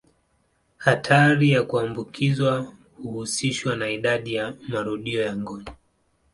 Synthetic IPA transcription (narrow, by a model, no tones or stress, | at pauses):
hatʰaɾijakuambukʰizwa | huhusiʃwanaiɗaɗijamaɾuɗiɔjaŋɡɔnɔ